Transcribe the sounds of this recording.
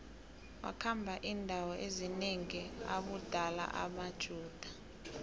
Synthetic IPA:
wa̰kʰambʱaʔindʱawɔʔezineŋiaɓud̥ʱala̰ʔa̰mad̥ʒ̥ʱuːd̥ʱḁ

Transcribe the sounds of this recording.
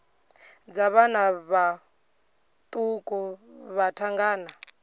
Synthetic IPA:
d͡zaβanaβa | t̪ʼukʼɔβatʰaŋɡaːna

